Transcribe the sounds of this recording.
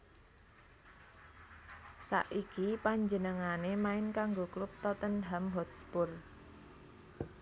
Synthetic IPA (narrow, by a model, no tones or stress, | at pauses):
sa̰ʔikipaɲd͡ʒənəŋanemaɪnkaŋɡoklʊp̚t̪ɔt̪ənɦamɦɔt̪̚spʊr